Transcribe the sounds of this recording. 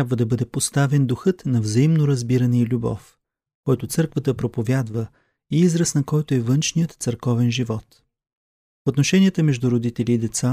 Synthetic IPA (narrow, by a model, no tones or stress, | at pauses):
t̪abvəd̪ɐbɤd̪ɛpost̪avɛnd̪ʊxɤt̪nɐvzɐimnoɾɐzbiɾɐnɛilʲubɔ̰f | kɔjt̪ʊt̪sɤɾkvət̪əpɾopovʲjad̪və | iizɾəsnɐkɔjt̪oɛvɤnt͡ʃnijət̪t̪səɾkɔvɛnʒivɔt̪ | fot̪noʃɛnʲijət̪əmɛʒd̪uɾod̪it̪ɛliːd̪ɛt̪sa